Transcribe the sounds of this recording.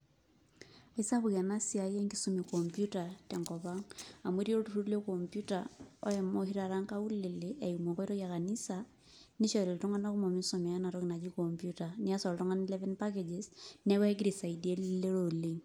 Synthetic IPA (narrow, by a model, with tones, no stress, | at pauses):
i˦sa˦βu˨ɣa˨na˦sia˨je˦ŋkisu˦mi˨kompjutatɛ˨ŋkɔβaŋa˨mwe˦ɾi˦e˦o˦tu˨ɾu˦ɾu˦le˦kompju˦tao̰˦jɛmo˨hi˦ɾa˨ɾa˦ŋka˦u˦le˨lee˨iumo˨ŋkɔ˦i˦ɾo˦ja˨ka˨ni˦sa | ni˦ʃa˨le˨lto˦ŋɡa˦na˦ku˦mo˨mi˦nsomɛ˨ja˦na˨ɾo˦ɣi˨na˨d͡ʒi˦kompjuta˨ni˦a˦sɔ˨lto˦ŋa˦nilɛ˦vɛ˦npaked͡ʒesnɛ˦kwɛ˦ɡɾi˨sa˨idie˦lle˦ɾole